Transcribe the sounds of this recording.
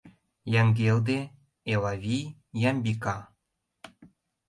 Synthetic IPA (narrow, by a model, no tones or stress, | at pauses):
jɑŋɡʲeld̪e | elɑvʲijjɑmʲbikɑ